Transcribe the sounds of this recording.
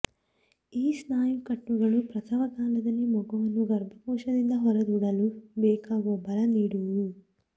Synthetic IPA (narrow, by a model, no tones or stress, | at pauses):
iːsnaːjukɐʈːuɡɐlupɾɐt̪ʰɐʋɐkaːlɐd̪ɐnimɔɡɐʋɐnuɡɐɾbʱɐpuːʃɐd̪ind̪ɐɦɔɾɐd̪uːɽɐlubɛːkaʋoːbɐlɐniːɽuu